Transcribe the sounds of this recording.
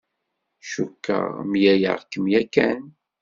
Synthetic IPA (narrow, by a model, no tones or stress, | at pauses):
ʃukːə̰ʁmjæjə̰ʁkːəmjækːæn